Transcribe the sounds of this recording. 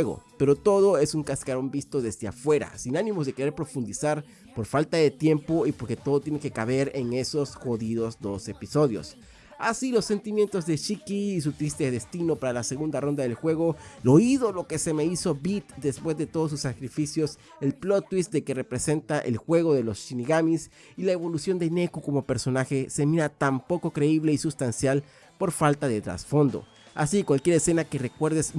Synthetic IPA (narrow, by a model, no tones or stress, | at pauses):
eɣo̰pe̞ɾo̞t̪o̞ð̞o̞e̞suŋkaskaɾo̞mbist̪o̞ðe̞zdea̰fwe̞ɾa̰sinanĩmo̞zðe̞keɾe̞ɾpɾo̞fund̪isaɾ | po̞ɾfalt̪aðe̞t̪je̞mpo̞ipo̞ɾke̞t̪o̞ðo̞t̪jene̞kekaβe̞ɾe̞ŋe̞so̞sxo̞ðiðo̞zd̪o̞se̞piso̞ðjo̰s | asilo̞sːe̞nt̪imje̞nt̪o̞zðe̞t͡ʃikiːs̬ut̪ɾist̪eðe̞st̪ino̞paɾalase̞ɣund̪aro̞nd̪aðe̞lxwe̞ɣo̞lo̞iðo̞lo̞ke̞se̞me̞iso̞bit̪d̪e̞spwe̞zðe̞t̪o̞ðos̬usːakɾifisjo̞s | e̞lplo̞t̪wisd̪e̞ke̞re̞pɾe̞se̞nt̪aʔḛlxwe̞ɣo̞ðe̞lo̞st͡ʃiniɣamis | ilae̞βo̞lusjo̞nd̪e̞ne̞kuko̞mo̞pe̞ɾso̞naxe̞se̞minat̪ampo̞ko̞kɾe̞iβleisust̪ansjal | po̞ɾfalt̪aðe̞t̪ɾa̰sfo̞nd̪o̰ | a̰sikwalkje̞ɾese̞nake̞re̞kwe̞ɾðes